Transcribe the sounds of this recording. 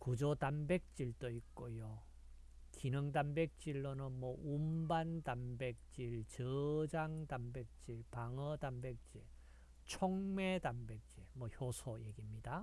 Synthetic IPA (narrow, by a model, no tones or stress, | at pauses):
kud͡ʑotambek̚t͡ɕ͈iɭt͈oik̚k͈ojo | kinɯŋdambek̚t͡ɕ͈iɭːonɯnmʌumbantambek̚t͡ɕ͈iɭt͡ɕɯd͡ʑaŋdambek̚t͡ɕ͈iɭpaŋʌdambek̚t͡ɕ͈iɭ | t͡ɕʰoŋmedambek̚t͡ɕ͈iɭmwʌçjosʰojeɡimɲida